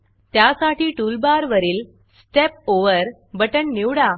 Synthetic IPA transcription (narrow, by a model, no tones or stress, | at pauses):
t̪jasaʈiːʈulbaɾʋəɾiːl | ssʈep̚oʋəɾ | bəʈəɳːiwɽa